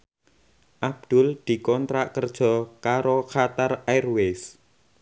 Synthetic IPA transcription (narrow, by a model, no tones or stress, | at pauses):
ʔab̚d̪̥ʊ̤ld̪̥i̤kɔnt̪ɾaʔkərd̥ʒ̥ɔ̤kaɾokʰat̪arairwes